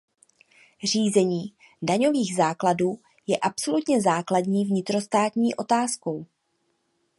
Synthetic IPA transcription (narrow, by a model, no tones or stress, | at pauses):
r̝iːzɛɲiː | daɲo̞viːɣzaːkladuː | jɛʔapso̞lut̪ɲɛzaːkladɲiːvɲɪt̪ɾo̞st̪aːt̪ɲiːʔo̞t̪aːsko̞w